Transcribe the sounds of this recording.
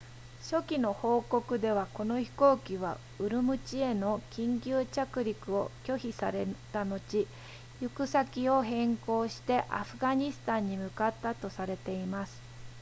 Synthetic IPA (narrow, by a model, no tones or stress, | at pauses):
ɕo̞kʲino̞ho̞ːko̞kɯ̟d̪e̞β̞ako̞no̞çi̥ko̞ːkʲiβ̞a̰ | ɯ̟ɾɯ̟mɯ̟t͡ɕie̞no̞kʲĩŋkʲɨːt͡ɕakɯ̟ɾʲikɯ̟o̞kʲo̞çisaɾet̪ano̞t͡ɕi | jɯkɯ̟sakʲio̞ɦẽ̞ŋko̞ːɕi̥t̪e̞ʔa̰ɸɯ̟ɡaɲ̟isɨ̥t̪ãɲ̟ːimɯ̟kat̪ːat̪o̞saɾe̞t̪e̞imasɨ̥